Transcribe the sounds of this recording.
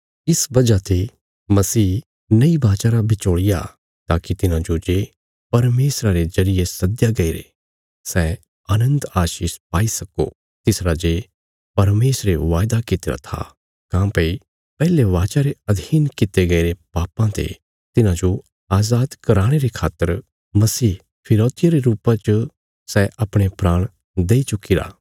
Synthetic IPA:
ɪsbɐd͡ʒat̪e | mɐsiː | nɐibaːt͡ʃaːɾabʱɪt͡ʃoːɽɪja̰ | t̪aːkit̪ɪnãd͡ʒod͡ʒeː | pɐɾmeːsɾaɾezɐɾɪjesɐd̪jaɡɐiɾḛ | sɛː | aːnə̃nd̪aːʃiːʃpaːisɐko̰ | t̪ɪsɾad͡ʒeː | pɐɾmeːsɾeʋaːjd̪akɪt̪eɾa̰t̪ʰa̰ | kãːpɐi | pɛːleʋaːt͡ʃaɾeɐd̪ʱiːnkɪt̪eɡɐiɾepaːpãt̪ḛ | t̪ɪnãd͡ʒo | aːzaːd̪kɐɾaːɽ̃eɾekʰaːt̪ːəɾ | mɐsiː | pʰɪɾoːt̪ɪjaɾeɾuːpãt͡ʃ | sɛːʔɐpɽ̃epɾaːɽ̃ | d̪eːit͡ʃʊkːiɾa̰ː

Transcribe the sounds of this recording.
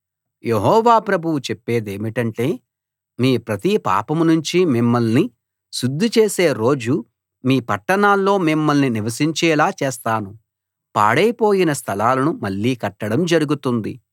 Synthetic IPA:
je̞ɦɔːʋaːpɾɐbʱuwut͡ʃɛpːe̞ːd̪e̞ːmiʈɐɳʈe̞ː | miːpɾɐt̪ipa̰ːpɐmnuɲt͡ʃimimːɐlni | ʃud̪ʱːit͡ʃeːse̞ːɾo̞ːd͡ʒu | miːpɐʈːɐɳaːlːo̞ːmimːɐlniniʋɐsiɲt͡ʃɛːlaːt͡ʃeːst̪aːnu | pa̰ːɽɐjpoːjinɐst̪ʰɐlaːlɐnumɐɭːiːkɐʈːɐɽɐmd͡ʒɐɾuɡut̪und̪i

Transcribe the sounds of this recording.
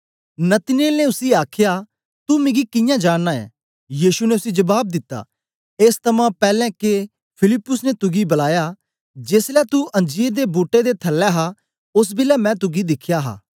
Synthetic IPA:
nɐt̪ɪneːlneʊsiaːkʰja | t̪umẽɡikɪ̃jãd͡ʒaːɽnaːɛ̰̃ː | jiːʃuneʊsid͡ʒɐbaːb̚d̪ɪt̪ːa̰ː | eːst̪ʰɐmãpɛːlɛ̃ke | pʰɪlɪpːʊsnet̪ʊɡibɐlaːja | d͡ʒeːslɛt̪uʔɐ̃nd͡ʒiːɾd̪ebuːʈːed̪et̪ʰɐlːɛɦa | ʊs̬bɪlɛmɛ̃t̪ʊɡid̪ɪkʰːjaɦa̰ː

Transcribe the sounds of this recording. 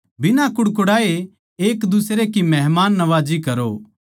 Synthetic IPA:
bɪnãkʊɽkʊɽaːe | eːkd̪ʊsɾekimɛɦmaːnːɐʋaːd͡ʒikɐɾo

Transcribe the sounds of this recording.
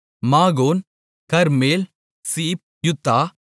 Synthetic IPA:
maːɣoːn | kɐɾmeːl | siːp̚jʊt̪ːaː

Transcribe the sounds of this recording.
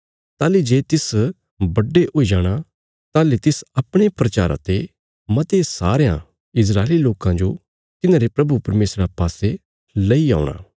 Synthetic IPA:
t̪aːlid͡ʒeːt̪ɪs | bɐɖːeʔoːid͡ʒaːɽ̃a | t̪aːlet̪ɪsɐpɽ̃epɾɐt͡ʃa̰ːɾã̰t̪e | mɐt̪esaːɾejã̰ | ɪs̬ɾaːeliloːkãd͡ʒo | t̪ɪnãːɾepɾɐbupɐɾmeːsɾãpaːse | lɐia̰ːʊɽ̃a̰ː

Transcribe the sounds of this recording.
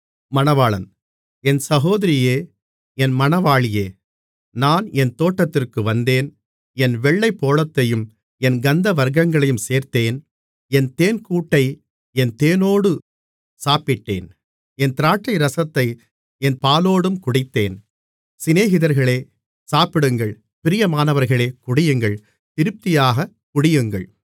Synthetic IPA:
mɐnɐʋaːɭɐ̰n | ɛnsɐɣoːðɪɾɪjeː | ɛnmɐnɐʋaːɭɪjeː | naːnɛnt̪oːʈːɐt̪ːɪrkɯʋɐnd̪eːn | ɛnʋɛɭːɐɪpːoːɭɐt̪ːɐjɯm | ɛnɡɐnd̪ɐʋɐɾɣɐŋɡɐɭɐjɯmseːɾt̪eːn | ɛnt̪eːnkuːʈːɐɪ | ɛnt̪eːnoːɽɯ | saːpɪʈːḛːn | ɛnt̪ɪɾaːʈːɐɪɾɐsɐt̪ːɐɪ | ɛnpaːloːɽɯmkʊɽɪt̪ːeːn | sɪneːɣɪðɐɾɣɐɭeː | saːpɪɽɯŋɡɐɭ | pɪɾɪjɐmaːnɐʋɐɾɣɐɭeːkʊɽɪjɯŋɡɐɭ | t̪ɪɾɯp̚t̪ɪjaːɣɐ | kʊɽɪjɯŋɡɐ̰ɭ

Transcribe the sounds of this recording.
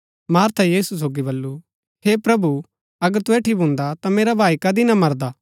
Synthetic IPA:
maːɾt̪ʰajiːsus̬oːɡibɐlːu | heːpɾɐbu | ɐɡəɾt̪ʊeːʈʰibʱʊ̃nd̪at̪ameːɾabʱaːikɐd̪inɐmɐɾd̪aː

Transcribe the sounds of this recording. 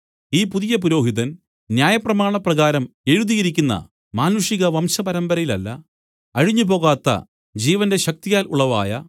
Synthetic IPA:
iːpuðijɐpuɾo̞ːɦiðɐn | njaːjɐprɐmaːɳɐprɐɣaːɾɐme̞ɻuðijɐɾikʲːunːɐ̰ | maːnuʂiɣɐʋɐmsɐpɐɾɐmbɐɾɐjilɐ̰lːɐ̰ | ɐɻiɲːupo̞ːɣaːt̪ːɐ̰ | d͡ʑiːʋɐnde̞ɕɐk̚t̪ijaːlṵɭɐʋa̰ːjɐ

